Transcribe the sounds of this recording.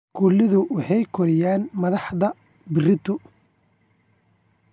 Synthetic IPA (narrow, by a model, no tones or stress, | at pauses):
kʰʊlɪðʊwɑħɑjkʰɔɾɪjaːnmɐðɑħðɐ | bɪrɪt̪ʊ